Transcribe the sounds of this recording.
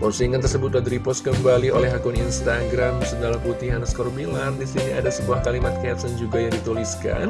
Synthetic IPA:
pɔsiŋant̪ərsəbʊt̪lad̪ɾipɔskəmbaliʔolɛɦakʊninst̪aɡɾamsənalaput̪iɦanaskɔɾbilardisiniadasəbuahkalimat̪̚kaat̪̚sand͡ʒuɡajaŋdit̪uliska̰n

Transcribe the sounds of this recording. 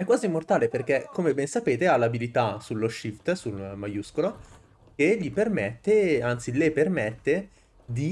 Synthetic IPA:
ɛkːwaːzimːort̪aːleperk̟ekomebɛnsapeːt̪ealːabilit̪asulːoʃːift̪sulmajuskolo | k̟eʎipermɛt̪ːeant̪silepermɛt̪ːe | d̪i

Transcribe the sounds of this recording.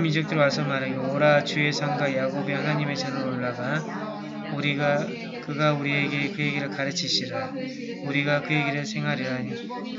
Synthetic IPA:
mid͡ʑʌk̚t͈ɯɾiwasʰʌmaɾaɡooɾat͡ɕue̞sʰaŋɡwajaɡobehanaɲime̞t͡ɕanɯɾoɭːaɡa | uɾiɡa | kɯɡauɾie̞ɡekɯjeɡiɾɯɭkaɾɯt͡ɕʰiɕʰiɾa | uɾiɡakɯje̞ɡiɾɯɭsʰe̞ŋɦaɾiɾaɲi

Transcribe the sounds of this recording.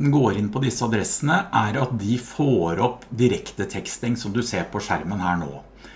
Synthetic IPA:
n̩ɡoːɾɪnpʰɔd̪ɪsːəɑd̪ɾɛsənəʔæɾɑt̪̚d̪ɪfoːɾɔpːd̪ɪɾɛkt̪ət̪ʰɛkst̪ɪŋsɔmd̪ʉseːɾpʰɔʂæɾmənhæːɳo̰ː

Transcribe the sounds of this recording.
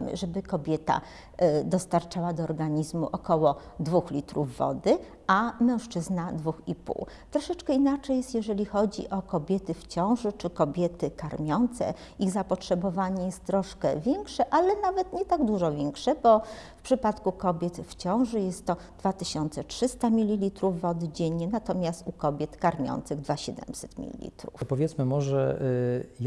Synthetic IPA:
mɘ̰ʐɛbɘkɔbʲjɛt̪a̰ | d̪ɔst̪aɾt͡ʂawad̪ɔːɾɡaɲizmṵʔɔkɔwɔ | d̪vuxlʲit̪ɾuvːɔ̰d̪ɘ | ʔamɛ̃w̃ʂt͡ʂɘznad̪vuxipṵwt̪ɾɔʂɛt͡ʂkɛinat͡ʂɛjɛst̪jɛʐɛlʲixɔd͡ʑḭʔɔkɔbʲjɛt̪ɘft͡ɕɔ̃w̃ʐɘt͡ʂɘkɔbʲjɛt̪ɘkaɾmʲjɔnt̪sɛ̰ | iɣzapɔtʂɛbɔvaɲɛjɛst̪ːɾɔʂkɛ̰vʲjɛŋkʂɛʔalɛnavɛt̪ɲɛt̪aɡd̪uʐɔvʲjɛŋkʂɛbɔfpʂɘpat̪kukɔbʲjɛt̪ft͡ɕɔ̃w̃ʐɘjɛst̪ːɔ | d̪vat̪ɘɕɔnt̪sɛtʂɘst̪amʲilʲilʲit̪ɾufːɔd̪d͡ʑeɲːɛnat̪ɔmʲjast̪ukɔbʲjɛt̪kaɾmʲjɔ̰nt̪sɘɣd̪vaɕɛd̪ɛ̰msɛt̪mʲḭlʲḭlʲḭt̪ɾṵfpɔvʲjɛt̪smɘmɔʐɛ̰

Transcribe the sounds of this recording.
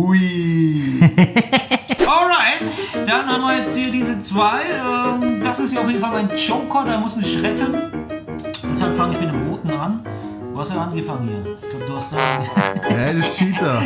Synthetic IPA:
u | ʔɔlʁaɪtd̥anhaːmviɐjɛt͡sthiːɐdiːzət͡sv̥aɪʔɛːmd̥asɪstjaɐaʊfjedn̩falmaɪnt͡ʃoʊkʰɐdamʊsdudɪçʁɛtʰən | ɪshafaŋɪçmɪtnəmʁoːtn̩ʁan | d̥uːhastʔanɡəfaŋənhḭːɐd̥uduːhastd̥a | ɛdɪt͡ʃiːtɐ

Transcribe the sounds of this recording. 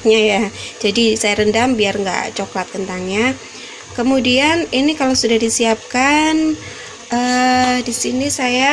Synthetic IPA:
ɲajad͡ʒadisajaɾəndambiarŋɡa̰ʔt͡ʃoklat̪̚kənt̪aŋɲa | kəmudianinikalowsudahdisiap̚kan | ʔəːdisinisaja

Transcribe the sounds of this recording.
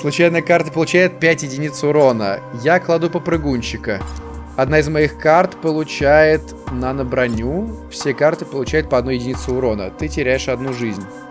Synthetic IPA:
slˠʊt͡ɕæjnɨjəkart̪əpəlˠʊt͡ɕæjɪt̪̚pʲætʲjɪdʲɪnʲit̪sʊʊɾo̞nəjaklˠad̪upəpɾɨɡunʲɕɪkəɐd̪naɪzmɐjixkart̪pəlˠʊt͡ɕæjɪt̪ | nənəbɾɐnʲufsʲekart̪ɨpəlˠʊt͡ɕæjʊt̪̚pəɐd̪nujɪdʲɪnʲit̪sʊʊɾo̞nə̰t̪ɨtʲɪɾʲæjɪʂɐd̪nuʐɨzʲnʲ

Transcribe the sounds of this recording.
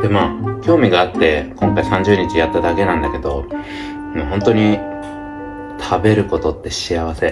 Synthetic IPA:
d̪̥e̞maːkʲo̞ːmʲiɡaːt̪ːe̞kõ̞ŋkaisãɲ̟d͡ʑɨːɲ̟it͡ɕijat̪ːad̪ake̞nãnd̪ake̞d̪o̞ | mɦõ̞nt̪o̞ɲ̟i | t̪ʰabe̞ɾɯ̟ko̞t̪o̞t̪ːe̞ɕiaβ̞ase̞

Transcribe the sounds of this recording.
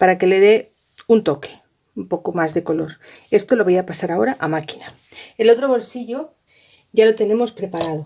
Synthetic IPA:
paɾake̞le̞ðe̞ | unt̪o̞ke̥ | umpo̞ko̞mazðe̞ko̞lo̞ɾ | e̞st̪o̞lo̞βajapasaɾao̞ɾaʔamaki̥na | elo̞t̪ɾo̞β̞o̞lsiʎo̞ | ʝalo̞t̪e̞nẽ̞mo̞spɾe̞paɾað̞o

